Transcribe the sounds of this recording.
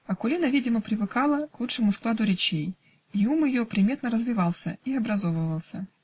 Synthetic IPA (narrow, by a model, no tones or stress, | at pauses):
ɐkʊlʲinəvʲidʲɪməpɾʲɪvɨkalˠəklˠut͡ʂʂɨmʊsklˠad̪ʊɾʲɪt͡ɕej | iumɨjopɾʲɪmʲet̪nəɾəzvʲɪvɑlˠsʲə̰iɐbɾɐzo̞vəvəlˠsʲə